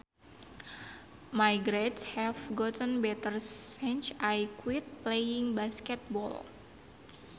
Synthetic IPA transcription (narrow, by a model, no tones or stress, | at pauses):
majɡɾɛt̪shɛfɡɔt̪ənbɛt̪ərsɛnt͡ʃajkwit̪̚plejiŋbaskɛt̪̚bɔ̰l